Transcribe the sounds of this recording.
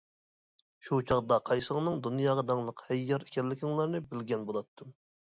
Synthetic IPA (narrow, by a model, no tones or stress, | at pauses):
ʃut͡ʃʰɑʁd̪ɑqʰɑjsələʁnɨŋd̪unjɑːʁɑd̪ɑŋlˠəqhɛjːɑɾe̥kʲɛlːɪkʲʰɪŋlˠɑɾnɨbɪlɡʲɛnbolˠɑt̪ʰːɨm